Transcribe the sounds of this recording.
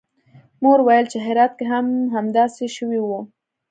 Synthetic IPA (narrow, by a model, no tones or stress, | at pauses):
moɾwajəlt͡ʃeɦɪɾɑt̪̚keɦamɦamd̪ɑseʃəwiwu